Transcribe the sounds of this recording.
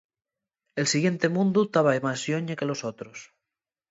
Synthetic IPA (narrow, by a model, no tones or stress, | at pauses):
elsiɣje̞nt̪emũnd̪ut̪aβaemasjoɲekelosot̪ɾos